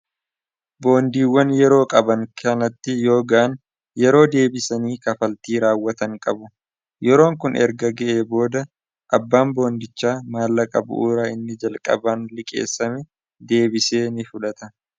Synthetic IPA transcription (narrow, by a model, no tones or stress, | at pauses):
bo̞ːnd̪iːwːɐnjɛɾo̞ːkʼɐbɐŋkʰɐnɐt̪ːɪjo̞ːɡaʔn | jɛɾo̞ːd̪e̞ːbɪsɐniːkɐfɐlt̪iːɾaːwːɐt̪ɐŋkʼɐbʊ | jɛɾo̞ːŋkʊnɛ̰ɾɡɐɡɛʔe̞ːbo̞ːd̪ɐ | ʔɐbːaːmbo̞ːnd̪ɪt͡ʃːaːmaːlːɐkʼɐbʊ̰ʔuːɾaːɪnːɪd͡ʒɐlkʼɐ̰baːnlɪkʼḛːsːɐmɛ | d̪e̞ːbɪseːnɪfʊlɐt̪ɐ